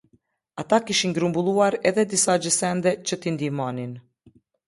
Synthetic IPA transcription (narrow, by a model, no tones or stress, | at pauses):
at̪akiʃiŋɡɾumbulˠuaɾɛðɛd̪isad͡ʒəsɛnd̪ɛt͡ʃət̪ind̪imanin